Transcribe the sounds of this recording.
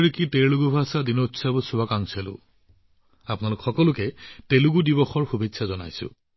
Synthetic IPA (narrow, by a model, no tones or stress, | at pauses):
ɹikiteɹlʊɡubʱasadinotsabusuwakaŋselʊ̰̃ | apʊnalʊkxɔkɔlʊkɛteluɡudibɔxɔɹxubʱitːsazɔna̰jsʊ̰̃